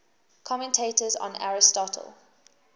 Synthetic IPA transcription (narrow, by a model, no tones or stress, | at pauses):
kʰɔmɛ̃ntʰeɪtəz̰̃na̰ɹɪstɔtʰə̰lˠ